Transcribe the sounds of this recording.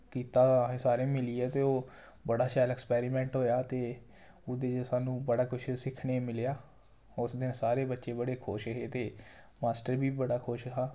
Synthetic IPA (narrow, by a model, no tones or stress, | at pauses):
kiːt̪aːẽsaːɾẽːmɪliːɛːt̪eːoː | bəɽaːʃaːlɛːkspɛːɾiːmɛ̃ːɳʈɦoːjaːt̪eː | ʊd̪eːd͡ʒosaːnũːbəɽaːkʊt͡ʃʰsɪkʰɽeːmɪljaː | ʊsd̪ɪnsaːɾeːbətːʃeːbəɽeːkʰʊːʃəɦeːt̪eː | maːsʈəɾbiːbəɽaːkʰʊʃəɦaː